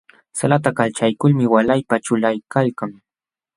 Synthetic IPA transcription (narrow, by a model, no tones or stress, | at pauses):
salat̪akalt͡ʃajkʊlmɪwalajpaʈ͡ʂʊlajkalkaŋ